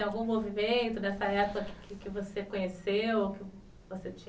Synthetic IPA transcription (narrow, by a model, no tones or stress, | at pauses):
awɡũmovimẽnt̪ʊd̪ɛsɐɛpʊkɐkɪ̥kɪkɪvosekõɲesewokɪ | voset͡ʃĩ